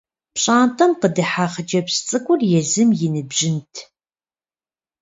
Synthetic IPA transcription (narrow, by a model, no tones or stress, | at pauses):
pɕʼaːntʰɐmqədɨħaːχəd͡ʒɐpst͡sʼɨkʷʼʊrjɛzɨmjɪnɨbʒɪntʰ